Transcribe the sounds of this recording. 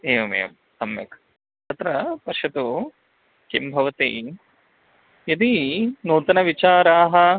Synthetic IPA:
eːʋɐmḛjɐ̰m | sɐmjɐ̰k | t̪ʰɐt̪ɾɐpɐʃɐt̪u | kimbʱɐʋɐt̪ḭ | jɐd̪inuːt̪ɐnɐʋit͡ʃaːɾaːɦɐ̆

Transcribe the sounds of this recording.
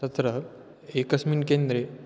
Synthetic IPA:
ɐt̪ɾə | ekəsmiːnkend̪ɾe

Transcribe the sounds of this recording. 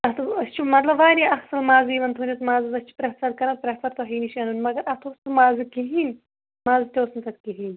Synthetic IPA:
ɐt̪ɐst͡ʃʰimɐt̪lɐbʋaːniɐxsɐlmaːziːʋɐnt̪ʰunʲit̪maːzɨzɐst͡ʃʰu̥pɾɐsɐɾkɐnɐt̪̚pɾet̪ɐɾt̪oɦiːniʃɐnunʲmɐɡɐɾɐt̪ʰoːst̪ɨmaːzikiɦiːnʲ | maːzit̪ʲoːsnt̪ɐt̪kiɦiːnʲ

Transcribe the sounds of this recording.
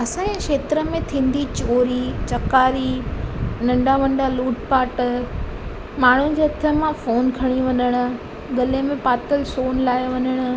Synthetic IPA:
ɐsãeʃeːt̪ɾəmẽt̪ʰĩːn̆d̪it͡ɕoːɾit͡ɕɐkaːɾi | nɐ̃ɳɖaʋɐ̃ɳɖaluːʈpaːʈ | maːɳ̤ud͡ʑeːɐt̪ʰəmãfoːnkʰɐɽ̃iʋɐɲəɽ̃ʊ̆ | ɡɐlemẽpaːt̪əlsoːnlaːjoʋɐɲəɽ̃ʊ̆

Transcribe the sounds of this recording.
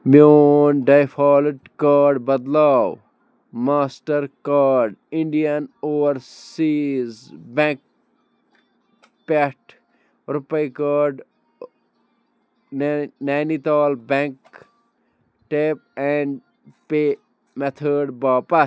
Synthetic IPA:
mjoːnɖajfʰaːlɪʈkaːɖbɐd̪laːw | maːsʈɐɾkaːɖɪ̃ɳɖijɐnoːɾsiːzbɛ̃ŋk̚ | peʈ | ɾupɐjkaːɖ | naːnit̪aːlbẽŋk | ʈeːp̚ɛ̃ɳɖ | pe | met̪ʰəːɖbaːpɐ

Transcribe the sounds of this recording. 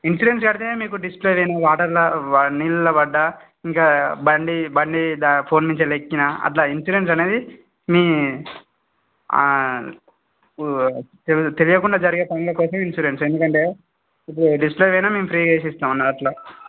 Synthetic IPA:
insuːɾens̬ɡɐɽit̪e̞ːmiːkuɖispleːʋɐjnɐːʋaːʈɐɾlɐɐnilulɐʋɐɖːɐ | iŋkaːbɐɳɖibɐɳɖid̪apʰo̞ːnmiɲt͡ʃɐlekːinɐɐ̰t̪laːinsuːɾe̞ns̬ɐne̞ːd̪i | miː | t̪et̪e̞lijɐkuɳɖaːd͡ʒɐɾiɡeːpɐŋɡulɐkɔːsɐminsuɾense̞nd̪ukɐɳʈe̞ː | ipːuɽuɖispleʋɛjnaːme̞ːmpʰɾiːkeːs̬ist̪aːmnːaːɐʈloː

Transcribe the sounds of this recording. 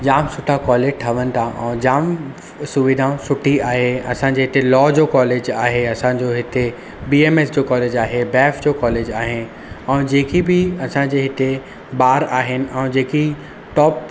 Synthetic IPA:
d͡ʑaːmsʊʈʰakɔːleːʈʰɐʋənɪ̆t̪ʰãʔɛ̰̃ːd͡ʑaːm | sʊʋid̪ʱãsʊʈʰiaːɦeɐsãɲd͡ʑeːɦɪt̪elɔːd͡ʑoːkɔːleːd͡ʑaːɦeɐsãd͡ʑoɦɪt̪e | biːeːmeːsd͡ʑoːkɔːleːd͡ʑaːɦebɛːfd͡ʑoːkɔːleːd͡ʑaːɦɪn | ɛ̃ːd͡ʑeːkibɪɐsãɲd͡ʑeːɦɪt̪e | baːɾaːɦɪnɪ̆ʔɛ̃ːd͡ʑeːki | ʈɔːp̚

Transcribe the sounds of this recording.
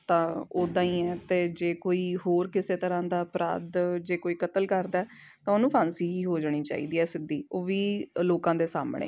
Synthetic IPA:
t̪ãːoːd̪ãːĩːɛːt̪eːd͡ʒeːkoːiːɦoːɾkɪseːt̪əɾãːd̪aːpɾa̰ːd̪d͡ʒeːkoːiːkət̪əlkəɾd̪aɛː | t̪ãːonũːpʰãːnsiːiːɦoːd͡ʒaːɽ̃iːt͡ʃa̰ːḭːd̪iːɛːsɪd̪ːiːoːʋiːloːkãːd̪eːsa̰ːmɳḛː

